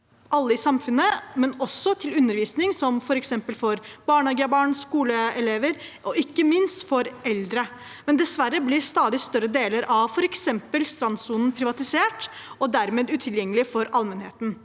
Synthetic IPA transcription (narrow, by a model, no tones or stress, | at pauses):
ʔɑlːəɪsɑmfʉnːəmɛnɔsːɔt̪ʰɪlʉnːəɾʋiːsnɪŋsɔmfɔɾɛksɛmpəlfɔɾbɑːɳɑɡəɑbɑːɳskuːləɛleːʋəɾʔɔɪkːəmɪnst̪fɔɾɛld̪ɾə | mɛnd̪ɛsʋæɾːəblɪst̪ɑːd̪ɪst̪œɾəd̪eːləɾʔɑʋfɔɾɛksɛmpəlst̪ɾɑnsuːnn̩pʰɾɪʋɑt̪ɪseːʈ | ɔd̪æɾmeːd̪ʉːt̪ʰɪljɛŋːəlɪfɔɾɑlmənheːt̪n̩